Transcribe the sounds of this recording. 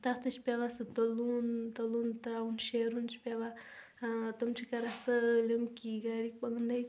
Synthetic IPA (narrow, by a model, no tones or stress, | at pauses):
t̪at̪ɐt͡ʃʰpʲaʋasɨt̪ɐlunt̪ɐlunt̪ɾaunʃeːɾunt͡ʃʰi̥pʲeʋa | t̪ɐmt͡ʃʰikɐɾasɐlʲɐmkiɡaːɾipɐɡnd̪ɐj